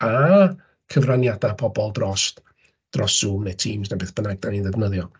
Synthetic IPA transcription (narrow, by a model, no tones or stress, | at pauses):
a | kʰəvranjadapʰɔbɔlˠdrɔs | d̥rɔsuːmnetʰiːmznabɪːθb̥ənaɡ̚d̥aniðəðnəðjɔ